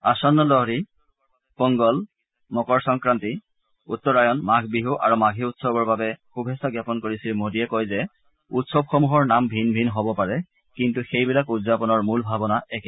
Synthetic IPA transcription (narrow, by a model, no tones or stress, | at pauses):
asɔnːɔlɔɦɹi | pɔŋɡɔl | mɔkɔɹsɔŋkɹanti | utːɔɹajɔnmaɡʰʱbiɦuʔa̰ɹumaɡʱiutsɔbɔɹbabɛxubʱɛsaɡjapɔnkoɹisilmodiɛkojzɛ | utsɔbxomuɦɔɹnambʱinbʱinɦɔbɔpaɹɛ | kintuxejbilakudzapɔnɔɹmulbʱabɔnaʔɛkɛ